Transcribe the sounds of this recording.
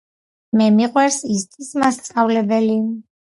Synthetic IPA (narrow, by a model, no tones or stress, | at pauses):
mɛmiqʼwɛɾsist̪ʼismast̪sʼavlɛbɛli